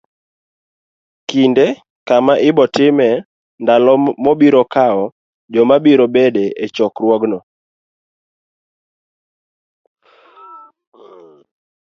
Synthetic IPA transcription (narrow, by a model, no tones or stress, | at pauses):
kinde | kamaʔɪbɔtɪmɛ | ndalɔmɔbiɾɔkaɔ | d͡ʒɔmabiɾɔbedeʔet͡ʃɔkrwɔɡnɔ